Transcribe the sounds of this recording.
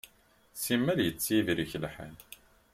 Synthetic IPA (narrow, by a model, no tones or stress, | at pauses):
simːæljət͡sːivɾiçlħæ̰n